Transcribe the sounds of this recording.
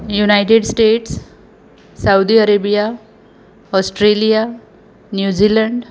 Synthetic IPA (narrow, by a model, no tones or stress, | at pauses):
junaɪʈeɖsʈeːʈsː | aʊd̪iɐɾeːbija | ɔsʈɾeːlija | njuːd͡ʒilə̃ɳɖ